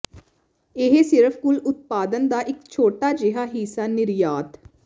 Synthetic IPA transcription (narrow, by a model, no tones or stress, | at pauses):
ɪɦesɪɾəpʰkʊlʊt̪̚paːd̪ənd̪aːʔɪkt͡ʃʰoːʈaːd͡ʒɪɦaːɦiːsaːnɪɾjaːt̪